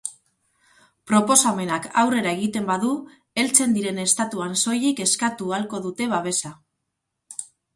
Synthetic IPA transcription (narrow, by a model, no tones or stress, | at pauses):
pɾo̞po̞same̞nakawre̞ɾae̞ɣ̞it̪e̞mbaðu | e̞lt͡se̞nd̪iɾe̞ne̞st̪at̪uanso̞jike̞skat̪ualko̞ðut̪e̞β̞aβ̞e̞sa